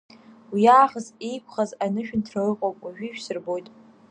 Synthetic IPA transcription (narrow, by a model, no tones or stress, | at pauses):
wiaːχəzejkʷʰχazanɨʃᶣɪntʰrarɨqʼowpʼwaʒᶣiʃᶣsɨrbo̞jtʼ